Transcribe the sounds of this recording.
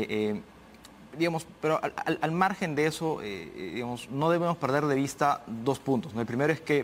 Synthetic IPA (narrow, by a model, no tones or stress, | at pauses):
ʔe | d̪iɣamo̞speɾoʔa̰ʔa̰lalmaɾxe̞nd̪eeso̞ʔḛðiɣamo̞sno̞ð̞e̞βe̞mo̞spe̞ɾðeðe̞β̞ist̪aðo̞spunt̪o̞snoelpɾime̞ɾo̞eske̞